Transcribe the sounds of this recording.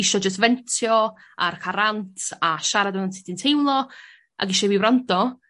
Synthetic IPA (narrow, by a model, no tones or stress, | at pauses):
ɪʃɔd͡ʒəs̬tvɛntʰjɔ | arkʰaɾantʰaʃaɾadənantʰɪdintʰejwlˠɔ | ʔa̰ɡɪʃɔwiwɾandɔ